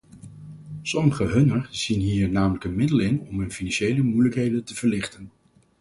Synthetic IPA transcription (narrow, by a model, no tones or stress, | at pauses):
sɔməχəɦɵnəɹz̥inɦiːɹnaːmələkənmɪdəlɪnɔmɦɵnfinɑnʃejləmujləkɦejdəntəv̥əɹlɪχtən